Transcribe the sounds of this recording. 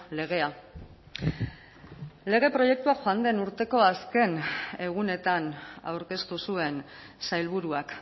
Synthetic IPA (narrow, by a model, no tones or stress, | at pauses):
le̞ɣ̞e̞a | le̞ɣ̞e̞pɾo̞je̞k̚t̪uaxoand̪e̞nuɾt̪e̞ko̞aske̞ne̞ɣ̞une̞t̪ana̰wɾke̞st̪usue̞n | sajlβ̞uɾuak